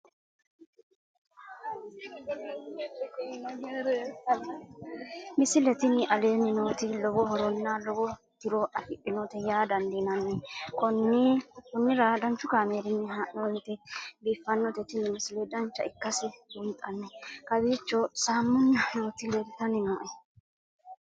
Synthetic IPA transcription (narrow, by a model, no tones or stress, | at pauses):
mɪsɪlɛt̪ɪnɪʔɐleːnːɪnoːt̪ɪlɔbɔɦɔɾɔnːalɔbɔ | t̪ɪɾɔɐfɪʔːɪnɔt̪ɛjaːd̪ɐnd̪inɐnːɛkɔnːɪkʊnːɪɾɐd̪ɐnt͡ʃːʊkaːmeːɾɪnːɛɦaɔnt̪ɛbiːfːɐnːɔt̪ɛt̪ɪnːɪmɪsɪlɛd̪ɐnt͡ʃːɐ̰ɪkːɐsɪbʊnt̪ʼːɐnːɛkɐbiːt͡ʃːɔsaːmːʊnːɐnoːt̪ɪleɾɪt̪ɐnɪnoːʔɛ